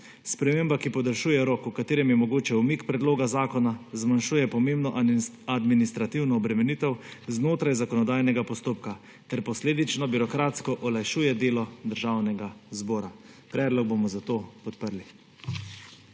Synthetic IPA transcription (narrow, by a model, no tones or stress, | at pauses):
spɾɛmeːmbakipɔd̪əɾʃuːjɛɾɔkukat̪eːɾɛmjɛmɔɡoːt͡ʃɛumikpɾɛd̪loːɡazaːkɔnazmanʃuːjɛpɔmembnɔʔ | ad̪minist̪ɾat̪iwnɔːbɾɛmɛniːt̪ɛwznoːt̪ɾajzakɔnɔd̪aːjnɛɡapɔst̪oːpka | t̪ɛɾpɔsleːd̪it͡ʃnɔbiɾɔkɾaːt̪skɔʔɔlajʃuːjɛd̪eːlɔd̪əɾʒaːwnɛɡazbɔːɾapɾɛːd̪lɔɡ̚bomɔzat̪oːpɔt̪pəɾli